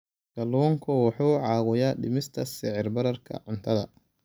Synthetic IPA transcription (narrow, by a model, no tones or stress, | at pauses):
ɡ̥ɐlɔːŋkʰʊwɑħuːʕɑːɣʊjaːɖɪmɪst̪ʰɐsɪʕɪrbɐɾɐrkʰɐ̰ʕʊnt̪ʰɐðɐ